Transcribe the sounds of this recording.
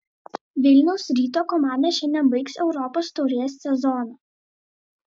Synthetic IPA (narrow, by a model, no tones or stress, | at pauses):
ʋʲɪlʲnʲɛʊsɾʲiːt̪oːkɔmɑˑnd̪ɐʃʲɛnʲɛnbɐɪksɛʊɾɔpoːst̪ɔʊɾʲeːsːʲɛzɔno